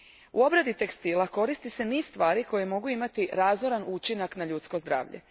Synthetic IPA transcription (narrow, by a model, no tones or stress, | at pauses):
uo̞bɾad̪it̪e̞kst̪iːlˠako̞ɾist̪ise̞niːsst̪ʋaːɾiko̞jemo̞ɡuimat̪iɾaːzoɾanut͡ʃinaknaʎuːt̪sko̞zd̪ɾa̰ːʋʎḛ